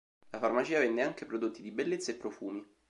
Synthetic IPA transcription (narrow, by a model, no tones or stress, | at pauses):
lafarmat͡ʃiːavɛnːeaŋkepɾod̪ot̪ːid̪ibelːet̪saepːɾofuːmi